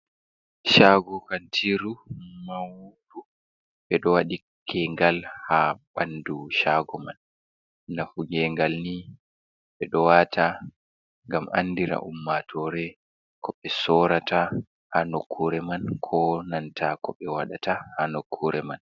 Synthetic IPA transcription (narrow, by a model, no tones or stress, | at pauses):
ʃaɡɔkantʰiɾumawudu | ɓɛɗɔwaɗi | kɛŋɡalhaɓanduʃaɡɔmanː | afuɡɛŋɡalni | ɓɛɗɔwatʰa | ŋɡamʔa̰nːdiɾa̰ʔumːatʰɔɾɛ | kɔɓɛsɔɾata | hanokʰːuɾɛmankʰɔnantʰakɔɓɛwaɗatʰahanokʰːuɾɛman